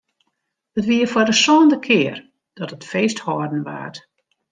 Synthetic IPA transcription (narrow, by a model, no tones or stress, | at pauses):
hətʋiəfɔdəsoːndəkʰɪər | d̥ɔtətfeːsthɔːrdən̩ʋa̰ːt